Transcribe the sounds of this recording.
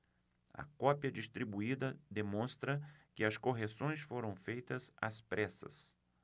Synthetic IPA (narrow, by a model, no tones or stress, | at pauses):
ɐ̰kɔpiɐd͡ʒist̪ɾibuid̪ɐd̪emõst̪ɾɐkɪɐskoɦesõj̃sfoɾɐ̃w̃fejt̪ɐzɐ̰spɾʔɛsɐ̰s